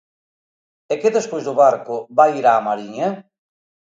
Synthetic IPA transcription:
ekeðespojzðʊβaɾkʊbaiɾaːmaɾiɲɐ

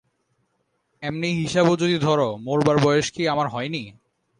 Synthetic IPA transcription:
ɛmniɦiʃabod͡ʑod̪id̪ʱɔɾomoɾbaɾbɔjeʃkiamaɾɦɔeni

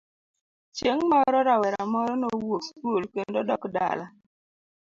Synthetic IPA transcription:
t͡ʃjeŋmɔɾɔɾawɛɾamɔɾɔnowoskulkendɔdɔkda̰la

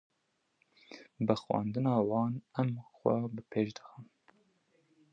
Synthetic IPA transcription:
bɨxwɑ̰ːnd̪ɨnɑːwɑːnɛmxwɛ̰bɨpʰeːʃd̪ɨ̥xɨm

